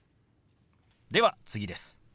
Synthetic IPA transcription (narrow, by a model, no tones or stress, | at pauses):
d̪e̞βat͡sɨɡʲid̪e̞sɨ̥